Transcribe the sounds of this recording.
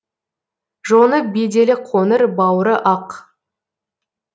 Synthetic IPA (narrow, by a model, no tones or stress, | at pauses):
ʒonəbed̪e̞lɪqʰonəɾbɑwɾəʔɑq